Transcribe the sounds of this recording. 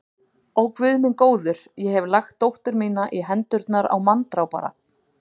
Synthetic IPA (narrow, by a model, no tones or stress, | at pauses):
ɔwkvʏðmɪnkoːwðʏɾ̥jɛɦɛvlaxt̪ːowht̪ʏɾmiːnaʔiɦɛnt̪ʏɾt̪naɾa̰wmant̪ɾawpa̰ɾa̰